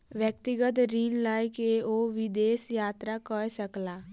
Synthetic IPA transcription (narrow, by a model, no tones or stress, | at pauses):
ʋjək̚t̪ɪɡət̪ɾiːnlaːikeoːʋɪd̪eːsjaːt̪ɾakɔesəklaː